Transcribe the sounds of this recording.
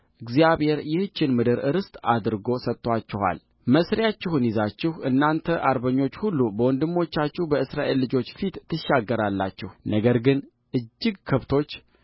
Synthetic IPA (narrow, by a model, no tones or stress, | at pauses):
ʔɨɡzijaβhe̞ɾjɛhɨt͡ʃːɪnmɨd̪ɨɾɨɾɨst̪ʼad̪ɾɡo̞sət̪ːwat͡ʃːɪha̰l | məsɾjat͡ʃːɪhunjizat͡ʃːɪhɨnːant̪ʰəʔaɾbəɲːo̞t͡ʃːhulːubəwɔnd̪ɨmːo̞t͡ʃːat͡ʃːuhbəɨsɾaʔe̞lːɨd͡ʒo̞t͡ʃːfit̪ʰːɨʃːaɡːəɾalːa̰t͡ʃːɪhnəɡəɾɡɨn | ʔɨd͡ʒːɪɡkʰɨβt̪ʰo̞t͡ʃː